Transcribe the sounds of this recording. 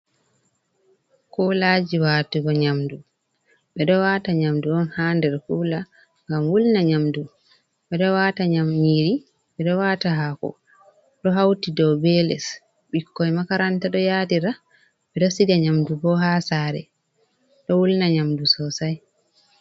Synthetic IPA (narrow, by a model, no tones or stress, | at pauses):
kɔlad͡ʒiwaːtiɡɔɲamdu | ɓɛɗɔwaːtaɲamduɔnhaːndɛɾhula | ŋɡamwulnaɲamdu | ɓɛɗɔwataɲamɲiɾi | ɓɛɗɔwataɦakɔ̰ | ɗɔɦawtidɔwbɛlɛ̰s | ɓikːɔjmakaɾantaɗɔjadiɾa | ɓɛɗɔsidaɲamdubɔɦasaːɾɛ̰ | ɗɔwulnaɲamdusɔsaj